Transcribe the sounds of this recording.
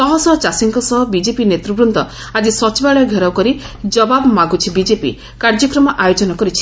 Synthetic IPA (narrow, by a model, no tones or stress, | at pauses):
sɔɦɔsɔt͡ʃasiŋkɔsɔɦɔbid͡ʒepinet̪ɾubɾunt̪ɔ | ad͡ʒisɔt͡ʃibaɭɔɔɡʱeɾɔwkɔɾi | d͡ʒɔbabɔmaɡut͡ʃʰibid͡ʒepḭ | kaɾd͡ʒɔkɾɔmɔʔajod͡ʒɔnɔkɔɾit͡ʃʰi̥